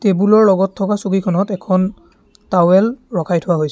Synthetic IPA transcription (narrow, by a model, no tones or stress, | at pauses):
tebulɔɹlɔɡɔtʰːɔkasukikʰɔnɔtɛkʰɔn | tawɛlɹɔkʰajtʰʊwaɦojsɛ